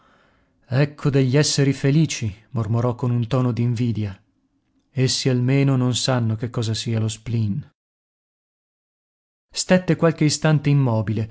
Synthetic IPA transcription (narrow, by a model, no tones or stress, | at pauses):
ɛkʰːod̪eʎːɛsːeɾifeliːt͡ʃimormoɾɔkːonunt̪ɔːnod̪iːɱviːd̪ja | esːialmeːnononsanːokekːɔːzasiːalosplin | st̪ɛt̪ːekwalk̟eist̪ant̪eimːɔːbile